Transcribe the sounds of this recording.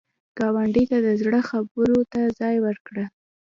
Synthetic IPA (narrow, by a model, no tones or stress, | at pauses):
ɡ̥ɑwaɳɖət̪ad̪əzɽəxabəɾot̪azɑjwəɾkɽa